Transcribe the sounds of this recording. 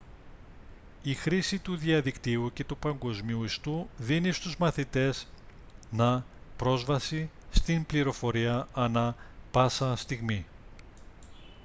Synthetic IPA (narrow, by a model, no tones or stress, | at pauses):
ixɾisit̪uðiɐðikt̪iuce̞t̪upɐŋɡo̞zmiuist̪uðinist̪uzmɐθit̪e̞z | nɐ | pɾo̞zvɐsist̪inbliɾo̞fo̞ɾiɐɐnɐpɐsɐst̪iɣmi